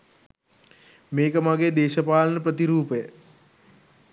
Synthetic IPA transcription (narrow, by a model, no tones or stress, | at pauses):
meːkəmaɡeːd̪eːʃəpaːlənəpɾət̪iɾuːpəjə